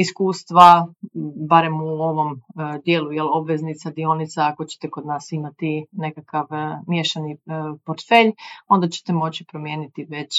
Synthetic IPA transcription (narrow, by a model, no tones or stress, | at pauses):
iskuːst̪ʋa | baɾe̞muo̞ʋo̞md̪je̞ːlˠujelo̞bʋe̞znit̪sad̪io̞nit̪saako̞t͡ɕe̥t̪eko̞d̪naːsimat̪ine̞kakaʋmjeʃanipoɾt̪fe̞ʎo̞nd̪at͡ɕe̥t̪e̞mo̞t͡ɕipɾo̞mje̞ːnit̪iʋe̞t͡ɕ